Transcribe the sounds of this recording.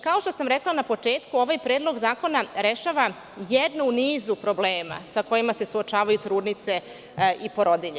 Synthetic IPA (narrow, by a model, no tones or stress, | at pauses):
kaoʃt̪osamɾeklˠanapo̞t͡ʂe̞ːt̪kuo̞ʋajpɾeːd̪lˠo̞ɡzaːko̞naɾeʃaʋa | jed̪nuniːzupɾo̞bleːma̰sako̞jimase̞suot͡ʃaːʋajut̪ɾuːd̪nit̪se̞ | ipo̞ɾo̞d̪iʎe